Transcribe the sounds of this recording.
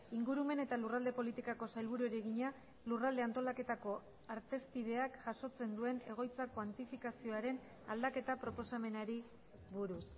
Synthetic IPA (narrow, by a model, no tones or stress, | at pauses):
iŋɡuɾume̞ne̞t̪alurald̪e̞po̞lit̪ikako̞sajlβ̞uɾueɾeɣiɲa | lurald̪e̞ant̪o̞lake̞t̪ako̞ | aɾt̪e̞spið̞e̞akʝaso̞t͡se̞nd̪ue̞ne̞ɣ̞o̞jt͡sakwant̪ifikasio̞aɾe̞n | ald̪ake̞t̪apɾo̞po̞same̞naɾi | βuɾus